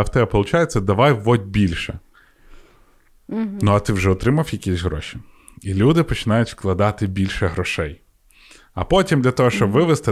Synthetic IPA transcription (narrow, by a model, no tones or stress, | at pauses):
wt̪ɛbɛpɔlˠʊt͡ʃajet͡sʲːɐd̪ɐʋɑjʋɔd̪ʲbʲilʲʃɛ | nuɐt̪ɪwʒɛɔt̪ɾɪmɐwjɐkʲisʲɦɾɔ̰ʃʲi̥ | ilʲud̪ɪpɔt͡ʃɪnɑjʊtʲsklˠɐd̪ɑt̪ɪbʲilʲʃɛɦɾɔʃɛj | ɐpɔtʲimd̪lʲɐt̪ɔɦɔʃt͡ʃɔbʋɪʋɪst̪ɪ